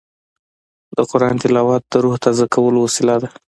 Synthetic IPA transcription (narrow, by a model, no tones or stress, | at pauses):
d̪əqʊɾɑnt̪ɪlɑwɑt̪̚d̪əɾuht̪azakawəlowasɪlad̪a